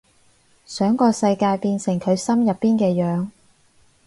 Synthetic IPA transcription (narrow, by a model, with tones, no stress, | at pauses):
sœː˨˥ŋkɔː˧sɐ˧jkaː˧jpiː˧nsɪ˨˩ŋkʰɵ˨˧ɥsɐ˥mjɐ˨pːiː˥nkɛː˧jœː˨˥ŋ